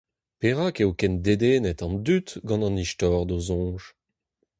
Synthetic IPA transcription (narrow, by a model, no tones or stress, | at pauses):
peʁaːkewkɛnd̪ed̪eːnɛt̪ɑ̃nd̪yt̪ɡɑ̃nɑ̃niʃtɔːʁd̪ozɔ̃ːʒ